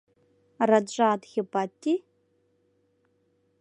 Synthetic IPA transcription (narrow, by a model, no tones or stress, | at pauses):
rad͡ʒʷʼaːdɣʲɪpʼatʼːi